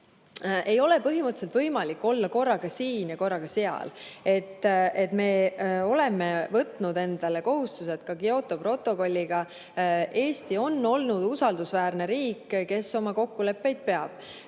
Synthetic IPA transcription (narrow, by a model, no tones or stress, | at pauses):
ʔe̞jo̞le̞pɤɦimɯt̪ːˑselt̪vɤjmɑlikːo̞lːɑko̞rːɑɡɑsiːnjɑko̞rːɑɡ̥ɑse̞ɑ̰le̞t̪ːet̪me̞ːo̞le̞me̞vɤt̪ˑnud̪e̞nd̪̥ɑle̞ko̞ɦust̪use̞t̪kɑkio̞t̪ˑo̞pro̞t̪ːˑo̞ko̞lʲːiɡ̥ɑ | ʔe̞ːst̪io̞nːo̞lnud̪̥usɑld̪usvæːrne̞ɾiːkːke̞so̞mɑko̞kːule̞pːe̞jd̪̥̚pe̞ɑb̥